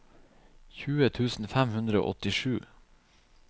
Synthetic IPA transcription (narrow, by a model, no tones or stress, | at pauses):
çʉːət̪ʰʉːsn̩fæmhʉnd̪ɾəo̰ːʔɔt̪ɪʃʉː